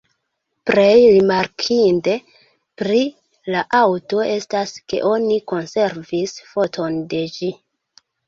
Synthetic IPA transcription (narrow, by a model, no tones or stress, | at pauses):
pɾe̞jɾimaɾkʰinte̞ | pɾi | laʔawto̞e̞staske̞̰ʔo̞niko̞nse̞ɾvisfo̞tʰo̞nde̞d͡ʒi